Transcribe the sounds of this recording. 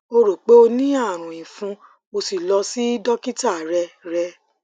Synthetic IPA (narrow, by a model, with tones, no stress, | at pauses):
o˧ɾo˨k͡pe˦o˧nĩ˦a˦˨ɾ̃ũ˨ĩ˨fũ˧ | mo˧si˨lɔ˧si˦dɔ˦ki˦ta˦˨ɾɛ˧ɾɛ˧˦